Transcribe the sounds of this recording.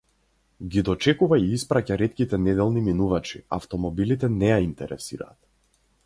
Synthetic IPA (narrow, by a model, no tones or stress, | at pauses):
ɡʲid̪ɔt͡ʃɛkuvaiispɾacaɾɛt̪kʲit̪ɛnɛd̪ɛlˠniminuvat͡ʃi̥a̰ft̪ɔmɔbilit̪ɛnɛjaint̪ɛɾɛ̰sḭɾa̰ːt̪̚